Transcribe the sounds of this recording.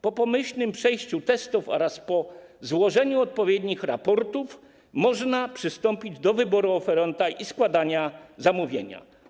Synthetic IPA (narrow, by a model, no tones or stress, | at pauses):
pɔpɔmɘɕlnɘmpʂɛjɕt͡ɕut̪ɛst̪ufɔ̰ɾaspɔzwɔʐɛɲuɔt̪̚pɔvʲjɛd̪ɲixɾa̰pɔɾt̪uf | mɔʐnapʂɘst̪ɔmpʲid͡ʑd̪ɔvɘbɔɾuɔfɛɾɛnt̪aʔiskwad̪aɲazamuvʲjeɲa̰